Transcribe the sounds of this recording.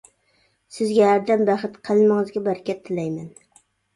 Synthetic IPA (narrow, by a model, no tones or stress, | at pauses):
sɪzɡʲɛhæɾd̪æmbæχɨt̪qʰəlˠmɨŋɨzɡʲɛbæɾkʲʰɛt̪ʰːɪlɛjmɛn